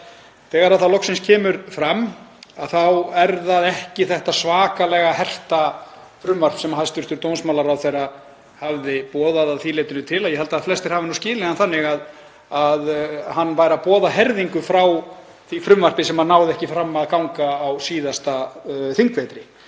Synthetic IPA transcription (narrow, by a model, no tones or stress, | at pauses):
θɛːɣaɾaðθawlɔksɪnscʰɛːmʏɾfɾamaðθawɛɾðaðɛhcɪθɛht̪asvaːkalɛɣahɛr̥t̪a | fɾʏmvar̥psɛmaɦajst̪ʏɾ̥t̪ʏɾt̪ownsmawlaɾawθejra | havðɪpɔːðaðaðθileːjt̪ɪnʏt̪ʰɪlajɛɦɛlt̪aðaðflɛst̪ɪɾ̥haːvɪnuscɪːlɛɣanθanːɪɣað | aðhanːvaːjɾapɔːðaɦɛɾðiŋkʏfɾaw | θifɾʏmvar̥pɪsɛmannaːwðɪɛhcɪfɾamːaðkawŋkaːwsiːðast̪aθiŋkveːjt̪ɾɪ